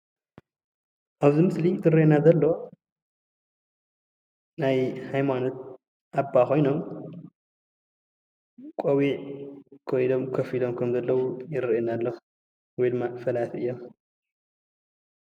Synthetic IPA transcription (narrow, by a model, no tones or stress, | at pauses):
ʔaβzimɨslit̪ʰɨɾʔenazɐlːo̞ | najhajmano̞t̪̚ | ʔabːako̞jno̞m | kʼowiʕkʰojilo̞mkʰɐfilo̞mkʰɐmzɐlːɐwujɪrʔenalːɐ | wɔjd̪ɨmːafɐlat̪ʰɨjːo̞m